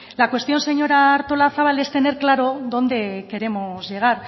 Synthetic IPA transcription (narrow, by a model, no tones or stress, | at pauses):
lakwest̪jo̞nse̞ɲo̞ɾaːɾt̪o̞laθaβale̞st̪e̞ne̞ɾklaɾo̞ðo̞nd̪e̞ke̞ɾe̞mo̞zʝe̞ɣ̞aɾ